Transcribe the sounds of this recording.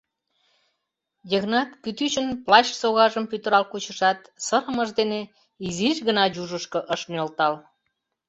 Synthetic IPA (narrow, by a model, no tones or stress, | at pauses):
jəɣnɑt̪kyt̪yt͡ɕənplɑt͡ɕsoɣɑʒəmpyt̪əɾɑlkut͡ɕəʃɑt̪səɾəməʒd̪ene | iziʃɣənɑjuʒəʃkoʔəʃmolt̪ɑl